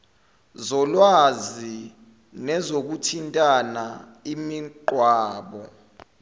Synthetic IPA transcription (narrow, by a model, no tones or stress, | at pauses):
zɔlwazi | nɛzok̬utʰintʼana | imiǃwaːɓɔ